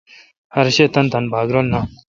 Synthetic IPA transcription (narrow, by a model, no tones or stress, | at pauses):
haɾɕet̪ant̪anbaɡɾolna